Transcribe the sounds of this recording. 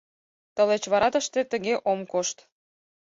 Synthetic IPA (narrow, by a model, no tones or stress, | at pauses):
t̪əlet͡ɕβɑɾɑt̪əʃt̪et̪əɣeʔomkoʃt̪